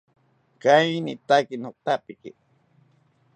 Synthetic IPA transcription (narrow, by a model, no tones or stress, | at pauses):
kajnḭt̪akinot̪apiki